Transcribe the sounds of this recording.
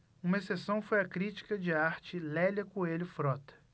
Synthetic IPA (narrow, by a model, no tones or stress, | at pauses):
ũmɐesesɐ̃w̃fojɐkɾit͡ʃi̥kɐd͡ʒɪaɾt͡ʃɪlɛlɐkõelɪʊfɾɔt̪ɐ̥